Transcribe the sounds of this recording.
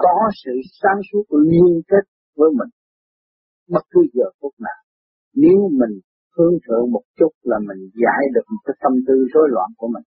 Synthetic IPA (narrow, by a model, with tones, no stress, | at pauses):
kɔ˨˦sɨ̰˧˨saː˨˦msu˦˥ət̚li˧ənke˦˥t̚ | vəː˨˦jmï˨˩ŋ̟ | ɓə˦˥t̚kɨ˨˦zəː˨˩ku˦˥ət̚naː˨˩w | ne˨˦wmï˨˩ŋ̟ | t̪ʰɨ˧əŋt̪ʰɨ̰˧˨əŋmo˨˩t̚t͡ɕʊ˦˥t̚laː˨˩mï˨˩ŋ̟za̰ː˧˥˨jɗɨ˨˩ək̚mo˨˩t̚kːaː˨˦jt̪ə˧mt̪ɨ˧zo˨˦jlwa̰ː˧˨nku˧˩əmï˨˩ŋ̟